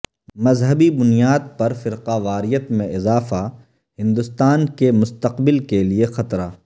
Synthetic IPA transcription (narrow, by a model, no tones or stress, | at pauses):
mɐzɦəbibʊnijaːd̪̚pɐɾfɪɾqaʋaːɾɪjət̪mẽʔɪzaːfa | hɪ̃nd̪ʊst̪aːnkemʊst̪əqbɪlkeliexɐt̪ɾaː